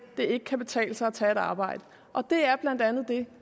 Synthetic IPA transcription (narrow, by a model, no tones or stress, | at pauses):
d̥e̝e̝ɡ̥əkʰæb̥e̝t͡sʰɛ̰ːlsɑɒt͡sʰɛe̝ɾɑ̈ːb̥ɑ̈ɪ̰d̥ə | ʔɒ̽d̥e̝æɐb̥læn̰d̥ænð̩ˠd̥e̝